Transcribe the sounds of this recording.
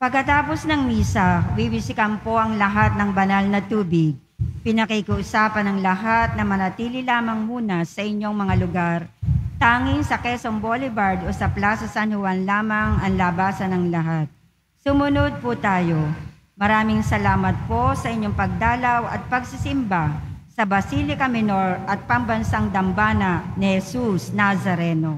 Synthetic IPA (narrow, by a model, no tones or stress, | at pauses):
pɐɡkɐt̪aːposnɐŋmiːsɐwibɪsɪkɐmpo̞ʔɐŋlɐɦat̪̚nɐŋbɐnɐlnɐt̪uːbɪɡ̚ | pɪnɐkɐikɐʔʊsaːpɐnɐŋlɐɦat̪̚nɐmɐnɐt̪iːlɪlaːmɐŋmuːnɐsɐʔɪɲːo̞ŋmɐŋalʊɡaɾt̪aːŋɪnsɐkɛsoŋbolɪbaɹd̪osɐplaːsɐsanhʊwanlaːmɐŋɐŋlɐbaːsɐnɐŋlɐɦat̪̚ | sʊmʊnod̪̚pʊt̪aːjo | mɐɾaːmɪŋsɐlaːmɐt̪̚po̞sɐʔɪɲːoŋpɐɡ̚d̪aːlɐwɐ̰t̪̚pɐɡsɪsɪmbasɐbɐsiːlɪkɐmɪno̞ɹɐt̪̚pɐŋbɐnsaŋd̪ɐmbaːnɐnɪhɛsusnazɐɾɛno